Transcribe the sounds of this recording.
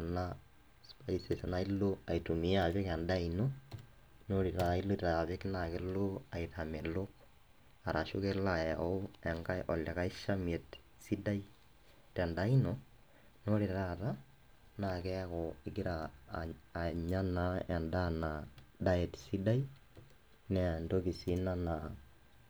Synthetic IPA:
ana | spaisesanailoaitumiaβekandaino | noɾiɾailoitaaβekinakeloaitamelok | aɾaʃokelaoɛŋɡaʔɔlakaiʃamɛt | sidai | tɛndaino | noɾiɾaɾa | nakɛkɔikiɾaː | ɲanaandanadaɛtsidai | nɛandokisinana

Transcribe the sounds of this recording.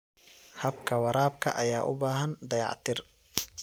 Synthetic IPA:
hɐbkʰɐwɑɾaːbkʰɐ̰ʔɐjaːʔʊ̰baːɦɐnd̪ɐjɑ̰ʕt̪ʰɪr

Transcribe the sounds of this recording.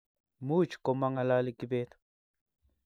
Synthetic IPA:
mut͡ʃkomaŋalalikibet̪

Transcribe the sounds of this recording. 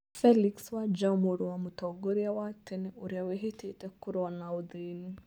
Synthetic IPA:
fɛlikswad͡ʒamuɾuwamutɔɡoɾiawatʰeniuɾiaweɦitʰitɛkuɾanauðini

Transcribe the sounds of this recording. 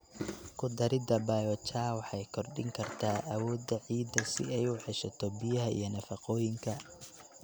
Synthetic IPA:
kʰʊd̪ɐɾɪd̪ɐbaːjɔt͡ʃaːwɑħɑjkʰɔrɖɪ̰ŋkʰɐrt̪ʰaːʔɐwɔːd̪ɐʕiːd̪ɐsɪ̰ɛjʊħɛʃɐt̪ʰɔbɪjɐɦɐʔḭjɞnɐfɑqɔːjɪŋkʰɐ

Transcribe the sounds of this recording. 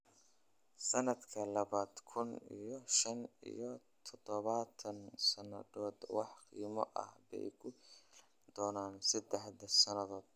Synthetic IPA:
sɐnɐd̪kʰɐlɐβaːd̪kʰʊnḭjɞʃɐnḭjɞ | t̪ʰɔd̪ɔβɐt̪ʰɐnsɐnɐ̰ðɔːd̪wɑħqḭːmɔ̰ʔɐ̰hbɛ̰jkʰʊ | d̪̥ɔːnaːnsɐd̪ɛħd̪ɐsɐnɐðɔːd̪̚

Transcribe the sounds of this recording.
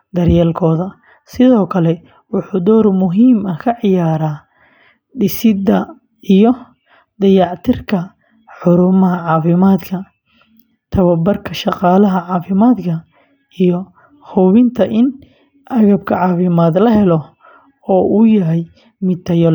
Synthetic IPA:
d̪ɐrjɛːlkʰɔːðɐ | sɪðɔːkʰɐlɛ | wʊħuːd̪ɔːrmʊɦiːmɐkʰɐʕɪjaːɾaː | ɖɪsɪd̪ɐ | ʔijɔ | d̪ɐjɑʕt̪ʰɪrkʰɐ | ħʊɾʊmɐɦɐʕɑːfɪmaːd̪kʰɐ | t̪ʰɐβɐbɐrkʰɐʃɑqɑːlɐɦɐʕɑːfɪmaːd̪kʰɐ | ijɔ | hɔβɪnt̪ʰɐʔɪn | ʔɐɣɐb̚kʰɐʕɑːfɪmaːd̪lɐɦɛlɔ | ɔːʔujɐɦɛj | mɪt̪t̪ʰːɐjɔl

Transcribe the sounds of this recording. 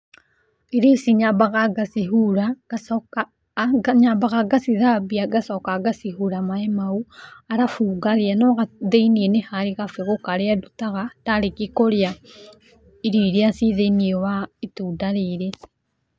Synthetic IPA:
eɾesiɲabaɣaɡasiɦuɾḁa | ɡaɲabaɣaɡasiðabiaɡasɔkaɡasiɦuɾamaemauaɾafuːɡaɾeanɔɣaðeinienehaɾiɣafeɣokaɾeadutaɣataɾekikoɾea | iɾiɾeasiðeiniewaetuːdaɾeɾe

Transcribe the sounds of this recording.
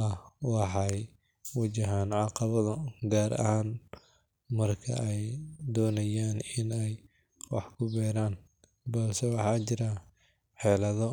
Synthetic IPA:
ɐwɑħɑj | wɐd͡ʒɪɦaːnʕɑqɑβɐðɐɡaːɾɐ̰haːn | mɐrkʰɐ̰ʔɛjd̪ɔːnɐjaːnɪnɛj | wɑ̰ħkʰʊbɛːɾaːn | bɐlsɛwɑħɑːt͡ʃɪɾɐ | ħɛːlɐðɔ

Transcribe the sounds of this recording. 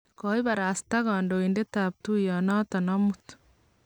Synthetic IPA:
koiβaɾaːsi̥taɣaːndoindetaβ̚tujanatanamutu̥

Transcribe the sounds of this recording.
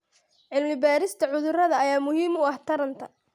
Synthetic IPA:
ʕɪlmɪbaːɾɪst̪ʰɐʕʊðʊrɐðɐːjaːmʊhiːmʊɐht̪ʰɐɾɐnt̪ʰɐ

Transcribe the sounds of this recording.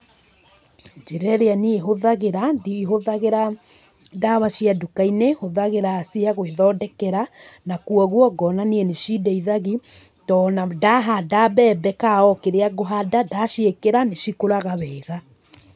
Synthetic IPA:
d͡ʒeɾɛɾeanieɦoðaɣeɾadiɦoðaɣeɾa | daβaʃiadukainehoðaɣeɾaːsiaɣweðɔːdɛkɛɾanakuɔɣwɔɡɔnaniɛneʃidɛiðaɣi | tɔːnadaɦadabɛbɛkaɔkeɾeaɡoɦadadaʃiekeɾaneʃikoɾaɣaβɛːɣa

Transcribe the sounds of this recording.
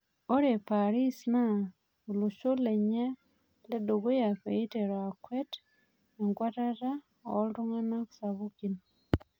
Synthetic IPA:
oɾepaɾisina | oluʃoleɲe | ledoɡojaɸeiteɾoakwet | eŋɡwatata | o̰lɾuŋanaku̥saβukino

